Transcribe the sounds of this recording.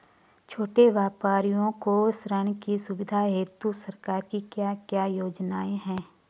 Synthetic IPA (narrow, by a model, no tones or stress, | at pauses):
t͡ʃʰoːʈeʋjaːpaːɾijõkosɾəɳ̃kisʊʋɪd̪ʱaɦeːt̪usɐɾkaːɾkikjaːkjaːjoːd͡ʒnaːeɦɛ̃ː